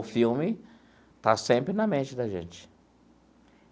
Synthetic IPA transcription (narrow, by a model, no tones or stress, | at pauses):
ʊfiwmɪ | t̪asẽmpɾɪnɐmẽnt͡ʃɪd̪ɐʒḛ̃nt͡ʃɪ̥